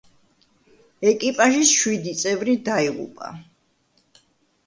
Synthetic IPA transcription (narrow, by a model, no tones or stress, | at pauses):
ɛkʼipʼaʒisʃwid̪it̪sʼɛvɾid̪aiʁṵpʼa̰